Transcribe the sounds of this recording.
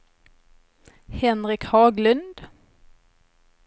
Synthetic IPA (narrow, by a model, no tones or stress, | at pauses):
hɛnʁɪkhɑːɡlʉnd̪̥